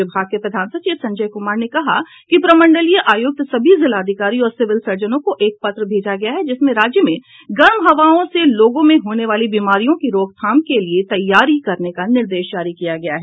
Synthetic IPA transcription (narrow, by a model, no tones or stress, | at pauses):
ɪbʱaːɡ̚kepɾɐd̪ʱaːnsɐt͡ʃiːsɐ̃ɲd͡ʒəjkʊmaːɾnekɐɦa | kipɾɐmə̃ɳɖəlijaʔaːjʊɡ̚t̪sɐbʱizɪlaːd̪ʱɪkaːɾiɔːɾsɪʋɪlsɐɾd͡ʒənõkoʔeːk̚pɐt̪ɾəbʱeːd͡ʒaɡɐjaɦɛd͡ʒɪsmẽɾaːd͡ʒjəmẽ | ɡɐɾmɦɐʋaːõseloːɡõmẽɦoːneʋaːlibiːmaːɾijõkiɾoːɡ̚t̪ʰaːmkeliet̪ɐjːaːɾikɐɾnekanɪɾd̪eːʃd͡ʒaːɾikijaɡɐjaɦɛː